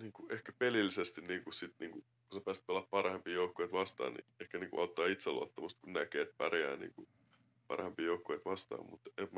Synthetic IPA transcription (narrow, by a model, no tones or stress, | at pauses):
niːŋkuʔehkæpelilːisest̪inniːŋkussit̪niːŋku | kusɑpæːst̪̚pelːɑppɑrhempiːjoukːoeit̪ʋɑst̪ɑ̰ːnnḭehkæniːŋkṵʔɑut̪ːɑːit̪selːṵɑ̰t̪ːomust̪̚kunnækeːt̪̚pæ̰rjæ̰ːnḭːŋku | pɑ̰rhempiːjoukːoeit̪ʋɑst̪ɑ̰ːmmṵt̪emm